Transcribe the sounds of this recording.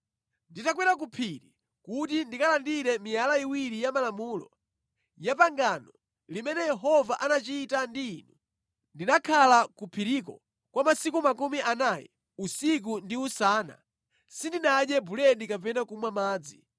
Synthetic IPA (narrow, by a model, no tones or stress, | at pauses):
nditakwɛɾak̬upʰiɾi | kutindikalandiɾɛmijalaiwiɾijamalamuːlɔ̰ | japaŋɡanɔ | limɛnɛjɛɦɔvaʔanat͡ʃiːtandiːnu | ndinakʰalakupʰiɾikɔ̰ | kwamasikumakumiʔanajɛ̰ | usik̬undiusaːna̰ | sindinaɗɛbulɛndikapɛnakumwamaːd͡zi